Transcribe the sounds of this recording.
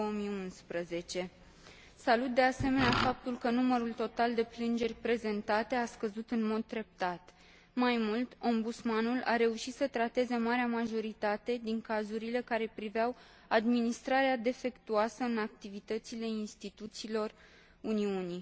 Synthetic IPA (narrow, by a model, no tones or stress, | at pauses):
oomiunspɾəze̞t͡ʃe̞ | salut̪̚d̪e̞ase̞me̞neafap̚t̪ulkənuməɾult̪o̞t̪ald̪e̞plɨnd͡ʒe̞rʲpɾe̞ze̞nt̪at̪e̞askəzut̪ɨnmo̞d̪̚t̪ɾe̞p̚t̪at̪ | majmult̪o̞mbut̪smanula̰ɾe̞uʃit̪sət̪ɾat̪e̞ze̞maɾeamaʒo̞ɾit̪at̪e̞d̪iŋkazuɾile̞kaɾe̞pɾiveaw | ad̪minist̪ɾaɾead̪e̞fe̞kt̪uasəɨnak̚t̪ivit̪ət̪sile̞inst̪it̪ut̪siːlo̞r | uniuni